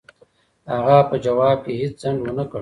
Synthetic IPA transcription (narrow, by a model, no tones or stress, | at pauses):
haɣapəd͡ʒɐwɑːb̚kehit͡szaɳɡwənakəɽ